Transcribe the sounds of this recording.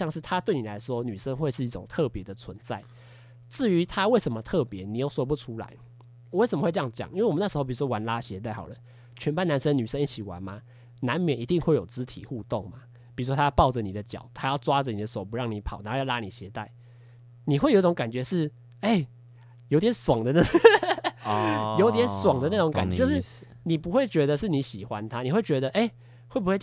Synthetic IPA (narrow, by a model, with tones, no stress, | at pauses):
jɑ˥˧ŋʂɻ̩˥˩t̪ʰa˦t̪we˥˩ɪni˨˩la˧˦ɪʂwɔ˦˥ny˨˩ʂə˦˥ŋxwe˥˧ɪʂɻ̩˥˧i˥˩ʈ͡ʂo̰˨˩ŋt̪ʰɤ˥˨pjɛ˧˦d̪ə˨t͡sʰwə˧˦nt͡sa˥˩ɪ | t͡sɹ̩˥˩y˧˦t̪ʰa˦we˥˩ɪʂə˧˦nmə˧˦t̪ʰɤ˥˨˩pjɛ˨˦ni˨˦jo˥˩ʊswɔ˥pu˧˩ʈ͡ʂʰu˥la̰˧˦ɪ˨ | we˥˩ɪsə˨˩mə˧xwe˥˧˥jɑ˥˧ŋt͡ɕjɑ̰˨˩ŋʔi˥nwe˥˩wna˥˩ʂ̩˧˥o˥˩pi˨˩u˧˥wɔ˥˧wa˧˦nla˥ɕjɛ˧˥t̪a˥˩ɪxɑ̰˨˩ʊlə˦ | t͡ɕʰɛ˧˥npa˥˩na˧˦nʂə˦ŋny˨˩ʂə˦ŋi˥˩t͡ɕʰi˨˩wa̰˨˦nma˨ | na˧˦nmjɛ˨nʔi˧˥t̪i˥˧ŋxwe˥˩ɪjo˨˩ʊt͡sɹ̩˦˥t̪ʰḭ˨xu˥˧t̪o˥˩ŋma˦ | pi˨˩u˧˦ʂwɔ˥a˥jpɑ˥˩ʊd͡zə˨ni˨d̪ə˦t͡ɕjɑ̰˨˩˦ʊt̪ʰa˦˥jɑ˥˩ʊt͡swa˦d͡zə˨ni˨d̪ə˦so˨˩p̬u˧˦ɻɑ˥˩ŋni˨˦pʰɑ˨˩˦na˨˦˥jla˦˥ni˨˩ɕjɛ˧˦t̪a˥˩ɪ | ni˨˩xwe˥˩ɪo˨˦i˥˩ʈ͡ʂo˧˦ŋka˨˩nt͡ɕɥɛ˧˦ʂɻ̩˥˩ | e˥˩ɪ | jo˧˥ʊt̪̬jɛ˨˦nswɑ˨˩ŋd̪ə˦na˥˧ | jo˧˥ʊt̪jɛ˨˦nswɑ˨˩ŋd̪ə˦na˥˩o˧˦ŋka̰˨˦t͡ɕo˥˧ʂɻ̩˥˨ | ni˨˩pu˧˥xwe˥˩ɪt͡ɕɥɛ˧˦˥d̪ə˧ʂɻ̩˥˩˨ni˧˥ɕi˨˩xwa˦nt̪ʰa˦˥ni˨˩xwe˥˩t͡ɕɥɛ˧˦d̪ə˧ʔe˥˩ɪ | xwe˥˩ɪbu˧we˥˧